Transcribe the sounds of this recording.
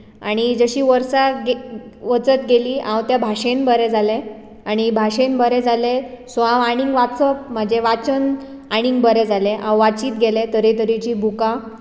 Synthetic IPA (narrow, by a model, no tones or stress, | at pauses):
a̰ɽ̃id͡zəɕiːʋəɾsaɡe | ʋət͡sət̪ɡeliːãwt̪jabʱaɕenbəɾɛd͡zale | aɽ̃ibʱaɕenbəɾed͡zʱalesãʋaɽ̃iŋɡʋasəp̚m̤əd͡ʑeʋat͡ɕən | aɽ̃iŋɡbəɾed͡zʱaleʔãwʋat͡ɕiːt̪ɡelet̪əɾet̪əɾit͡ɕiːbʱuka